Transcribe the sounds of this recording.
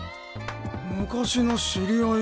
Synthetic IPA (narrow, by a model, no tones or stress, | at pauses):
mɯ̟kaɕino̞ɕiɾʲio